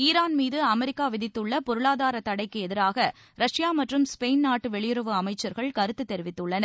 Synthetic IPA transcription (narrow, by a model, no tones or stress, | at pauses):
iːɾaːnmiːðɯɐmɛɾɪkːaːʋɪðɪt̪ːɯɭːɐpɔɾɯɭaːðaːɾɐt̪ɐɽɐɪkːɯɛðɪɾaːɣɐ | ɾɐʂɪjaːmɐʈrɯmspeɪnnaːʈːɯʋɛɭɪjɪɾɯʋɯɐmɐɪt͡ʃːɐɾɣɐɭkɐɾɯt̪ːɯt̪ːɛɾɪʋɪt̪ːɯɭːɐnɐɾ